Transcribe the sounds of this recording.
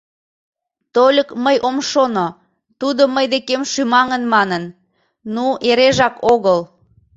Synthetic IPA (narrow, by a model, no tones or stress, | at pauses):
t̪olʲəkməjʔomʃono | t̪ud̪oməjd̪ekemʃymɑŋənmɑnən | nueɾeʒɑkoɣəl